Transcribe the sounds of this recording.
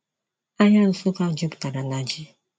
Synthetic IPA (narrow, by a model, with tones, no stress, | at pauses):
a˦ɲa˦ɾʊ˨sʊ˦ka˦˨d͡ʒʊ˦bʊ̥˨ta˨ɾa˨na˨d͡ʒi˦